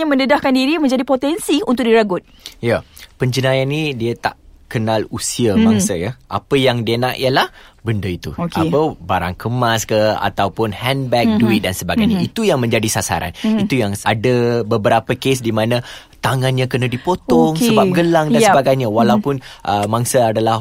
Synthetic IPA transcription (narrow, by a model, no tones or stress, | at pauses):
ɲamə̃ndədahkandiɾimə̃ɲd͡ʒadipot̪ɛnsiunt̪ʊk̚diɾaɡʊt̪̚japəɲd͡ʒənajanːidiət̪a̰ʔkənalusiəbaŋsəjaʔa̰pəjaŋdiənaʔḭəlahbəndəit̪uokapəbaɾaŋkəmaskəa̰t̪awpʊnhɛnbɛk̚duit̪̚dansəbaɡajɲait̪ujaŋmə̃ɲd͡ʒadisasa̰ɾa̰nit̪ujaŋadəbəbəɾapəkesdimãnã | t̪aŋanɲãkənadipot̪ɔŋsəbaɡəlaŋdansəbaɡajɲawalawpʊnʔəmaŋsəadalah